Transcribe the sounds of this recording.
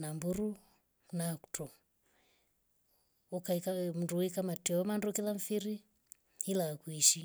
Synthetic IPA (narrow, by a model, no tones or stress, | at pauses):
nambuɾu | naku̥tʰɔ | ukaikam̩nduikamatiɔɔmandɔkilaɱfiɾi | hilakuiʃi